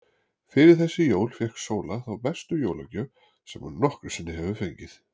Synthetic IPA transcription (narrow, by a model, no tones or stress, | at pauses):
fɪɾɪɾ̥θɛsːɪjoːwlfjɛhksoːwlaθawpɛst̪ʏjoːwlacœ | sɛmunnɔhkɾʏ̥sɪnːɪɦɛvʏfejɲcɪθ